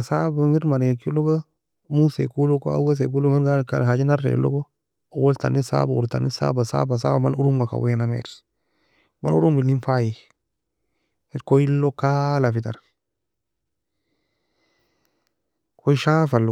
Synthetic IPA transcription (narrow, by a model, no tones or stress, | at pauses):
asabamiɾmaɾkiloka | musekulokoa̰ɡas̬ek̬ulomanɡaka̰lhad͡ʒinaɾḛlo̰ko | owolta̰nisa̰baṵta̰nisa̰basa̰basa̰bamanuɾumɡaka̰wenamḛɾ | manṵɾumbilinfaji | koilːokalafitaɾ | kʰoiʃafal